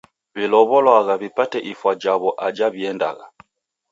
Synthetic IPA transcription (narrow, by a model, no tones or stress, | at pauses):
βilɔβɔlwaɣaβipatɛʔifwad͡ʒaβɔʔad͡ʒaβiɛnda̰ɣa̰